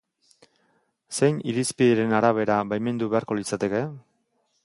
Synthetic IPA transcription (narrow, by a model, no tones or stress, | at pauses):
se̞jniɾispiðeɾe̞naɾaβ̞e̞ɾaβajme̞nd̪uβe̞aɾko̞lit͡sat̪e̞ke̞